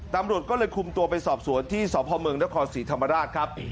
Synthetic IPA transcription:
t̪a˧mɾu˨˩ət̪̚kɔː˥˩lɤː˧jkʰu˧mt̪u˧ɐpa˧jsɔː˨˩p̚su˩˦ənt̪ʰiː˥˩sɔː˩˦pʰɔː˧mɯ˧əŋna˦˥kʰɔː˧nsiː˩˦˥t̪ʰa˧mːa˧ɾaː˥˩t̪̚kʰɾa˦˥p̚

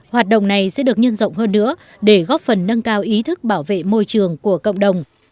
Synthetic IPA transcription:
hwaː˨˩t̚ɗə̰˧˨wŋ͡mna˨˩jsɛ̰˧˥ɗɨ˨˩ək̚ɲə˧nzə̰˧˨wŋ͡mɦəː˧nːɨ̰˧˥ə | ɗe˧˩ɣɔ˦˥p̚fə˨˩nːə˧ŋkaː˧wʔi˨˦t̪ʰɨ˦˥k̚ɓaː˧˩wvḛ˧˨mo˧jt͡ɕɨ˨˩əŋku˧˩əkə̰˧˨ŋ͡mɗə˨˩wŋ͡m

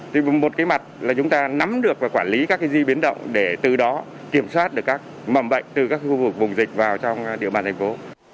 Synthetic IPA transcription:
t̪ʰi˨˩mo˨˩t̚kaː˨˦jma˨˩t̚laː˨˩t͡ɕʊ˨˦ŋ͡mt̪aː˧na˨˦mɗɨ˨˩ək̚vaː˨˩kwaː˧˩nli˨˦kaː˦˥kːaː˨˦jzi˧ɓi˨˦ənɗə̰˧˨wŋ͡mɗe˧˩t̪ɨ˨˩ɗɔ˨˦ | ki˧˩əmswaː˦˥t̚ɗɨ˨˩ə˩kːaː˦˥k̚ | mə˨˧˩mɓə̰˧˨jŋ̟t̪ɨ˨˩kaː˦˥kxu˧vɨ˨˩k̚vʊ˨˩ŋ͡mzï˨˩k̟̚vaː˨˩wt͡ɕɔ˧wŋ͡mɗḭ˧əɓaː˨˩nt̪ʰɛ˨˩ŋ̟fo˨˦

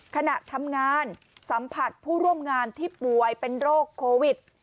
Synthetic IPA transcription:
kʰa˧na˨˩ʔt̪ʰa˧mŋaː˧n | sa˩˦mpʰa˨˩t̪̚pʰuː˥˩ɾu˥˩əmŋaː˧nt̪ʰiː˥˩pu˨˩əjpe˧nɾoː˥˩kʰːoː˧wi˨˩t̪̚

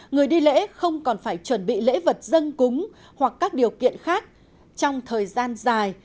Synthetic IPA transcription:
ŋɨ˨˩əjɗi˧lḛ˧˥xə˧wŋ͡mkɔ˨˩nfaː˧˩jt͡ɕwə˧˩nɓḭ˧˨lḛ˧˥və˨˩t̚zə˧nkʊ˨˦ŋ͡m | hwa˨˩kːaː˦˥k̚ɗi˨˩əwkḭ˧˨ənxaː˦˥k̚ | t͡ɕɔ˧wŋ͡mt̪ʰəː˨˩jzaː˧nzaː˨˩j

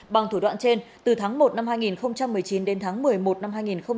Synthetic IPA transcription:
ɓa˨˩ŋt̪ʰu˧˩ɗwa̰ː˧˨nt͡ɕe˧n | t̪ɨ˨˩t̪ʰaː˨˦ŋmo˨˩t̚na˧mhaː˧jŋi˨˩nxə˧wŋ͡mt͡ɕa˧mːɨ˨˩əjt͡ɕi˨˦nɗe˨˦nt̪ʰaː˨˦ŋmɨ˨˩əjmo˨˩t̚na˧mhɦaː˧jŋi˨˩nxə˧wŋ͡m

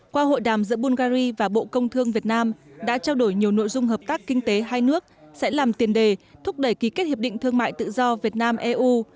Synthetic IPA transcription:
kwaː˧ɦo̰˧˨jɗaː˨˩mzɨ̰˧˥ɓu˧nɣaː˧zi˧vaː˨˩ɓo̰˧˨kə˧wŋ͡mt̪ʰɨ˧əŋvi˨˩ət̚naː˧mɗa̰ː˧˥t͡ɕaː˧wɗo˧˩jɲi˨˩əwno̰˧˨jzʊ˧ŋ͡mɦəː˨˩p̚t̪aː˦˥kːï˧ŋ̟t̪e˨˦ɦaː˧jnɨ˦˥ək̚sɛ̰˧˥laː˨˩mt̪i˨˩ənɗe˨˩t̪ʰʊ˦˥k͡p̚ɗə˧˩jki˨˦ke˦˥t̚hi˨˩ɗï˧˨ŋ̟t̪ʰɨ˧əŋma̰ː˧˨jt̪ɨ̰˧˨zɔ˧vi˨˩ət̚naː˧mʔɛ˧ʔu˧

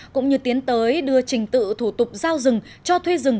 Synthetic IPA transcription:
kʊ̰˧˥ŋ͡mɲɨ˧t̪i˨˦ənt̪əː˨˦jɗɨ˧ət͡ɕï˨˩ŋ̟t̪ɨ̰˧˨t̪ʰu˧˩t̪ʊ˨˩k͡p̚zaː˧wzɨ˨˩ŋ | t͡ɕɔ˧t̪ʰwe˧zɨ˨˩ŋ

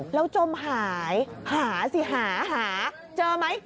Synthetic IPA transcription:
lə˧wt͡ɕo˧mɦaː˨˩jhaː˨˩˦zi˧˨˩ɦaː˧˩˦ɦaː˧˨˩ | t͡ɕəː˧mə˨˦j

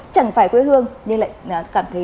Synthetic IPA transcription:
t͡ɕa˧˩ŋfaː˧˩jkwe˨˦hɨ˧əŋɲɨ˧ŋla̰ː˧˨jkaː˧˩mt̪ʰə˨˦

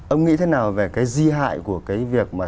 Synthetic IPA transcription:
ʔə˧wŋ͡mŋḭ˧˥t̪ʰe˨˦naː˨˩wve˨˩kaː˨˦jzi˧ɦa̰ː˧˨jku˧˩əkaː˨˦jvi˨˩ək̚maː˨˩

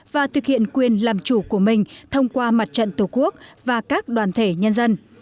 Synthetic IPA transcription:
vaː˨˩t̪ʰɨ˨˩k̚hḭ˧˨ənkwi˨˩ənlaː˨˩mt͡ɕu˧˩ku˧˩əmï˨˩ŋ̟t̪ʰə˧wŋ͡mkwaː˧ma˨˩t̚t͡ɕə̰˧˨nt̪u˧˩ku˦˥ək̚vaː˨˩kaː˦˥k̚ɗwaː˨˩nt̪ʰe˧˩ɲə˧nzə˧n

